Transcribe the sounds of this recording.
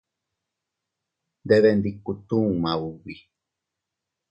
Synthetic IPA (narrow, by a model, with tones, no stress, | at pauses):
nd̪eβend̪iku˧t̪ũ˦mã˨uβi˨